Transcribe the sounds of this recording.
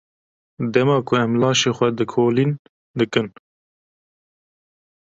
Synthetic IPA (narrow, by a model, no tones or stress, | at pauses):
d̪ɛmɑːkʰʊɛmlɑːʃeːxʷɛd̪ɨkʰoːlin | d̪ɨkɨn